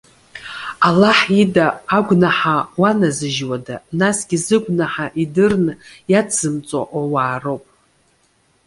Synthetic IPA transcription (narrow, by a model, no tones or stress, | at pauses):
alaħidaːɡʷnaħawanazɨʒwadanasɡʲizɨɡʷnaħaʔidɨrnɨjad͡zɨmt͡sʼa̰ʔʷawaːrowpʼ